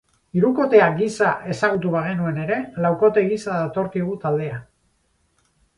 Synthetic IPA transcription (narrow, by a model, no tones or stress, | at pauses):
iɾuko̞t̪e̞aɡisaʔe̞saɣut̪uβaɣenue̞ne̞ɾe̞lawko̞t̪e̞ɣisaðat̪o̞ɾkiɣ̞ut̪ald̪e̞a